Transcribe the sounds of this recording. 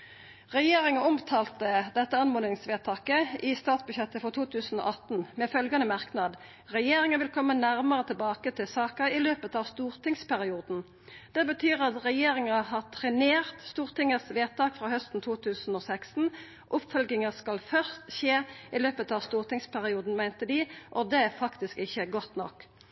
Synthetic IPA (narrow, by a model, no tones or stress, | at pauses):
ʁɛjeːʁɪŋəʊmt̪ʰɑːlt̪əd̪ɛt̪ːəɑnmoːnɪŋsʋeːt̪ʰɑːkəʔɪst̪ɑːt̪sbʉʃjɛt̪ːəfɔʁt̪ʰuːt̪ʰʉːsn̩o̰ːʔɑt̪n̩mɛfœlɡɑnəmɑʁknɑd̪ | ʁɛjeːʁɪŋəʋɪlkʰɔmːənæʁməʁət̪ʰɪlbɑːkət̪ʰɪlsɑːkəɪløːpət̪ɑːʋst̪uːʁt̪ʰɪŋspʰæʁɪuːd̪n̩ | d̪̥ɛbət̪ʰyːɾɑt̪ʁɛjeːɾɪŋɑɦɑːt̪ʰʁɛneːʁt̪st̪uːʁt̪ɪŋəsʋeːt̪ʰɑːkfɾɑːhœst̪n̩t̪ʰuːt̪ʰʉːsn̩oːsækst̪n̩ | ʔʊpfœlɡɪŋəskɑlfœʁst̪ɕeːɪløːpət̪ɑːʋst̪uːʁt̪ɪŋspʰæʁɪuːd̪n̩mæɪnt̪əd̪ɪʔɔd̪ɛæfɑkt̪ɪskɪçːəɡɔt̪nɔ̰kː